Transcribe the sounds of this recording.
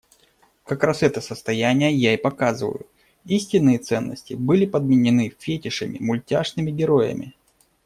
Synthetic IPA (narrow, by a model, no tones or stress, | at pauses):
kɐkɾasɛt̪əsəst̪ɐjænʲɪjəjaipɐkazɨvə̰jʊ | isʲtʲɪnːɨjət̪sɛnːə̰sʲtʲɪbɨlʲɪpəd̪̚mʲɪnʲɪnɨfʲetʲɪʂɨmʲɪ̰mʊlʲtʲaʐnɨmʲɪɡʲɪɾo̞jə̰mʲɪ̰